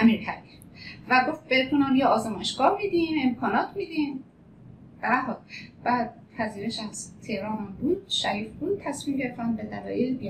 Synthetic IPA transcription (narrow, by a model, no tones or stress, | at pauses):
æmiːɾhʰæbif | væɡo̞ft̪̚bed̪ʰunæːmjɒɒːzemɒʃɡɒːɾmid̪ime̞mkʰɒːnɒːt̪ʰmid̪in | b̥æɦɒd̪b̥æːd̪̚ | pʰæziːɾeʃæz̥t̪ʰe̞hɾɒːnæmbuːd̪̥̚ʃæɾiːfbuːn̚t̪ʰːæsmiːmɟeɾeft̪ænbe̞d̪ælɒ̰ːʔelbi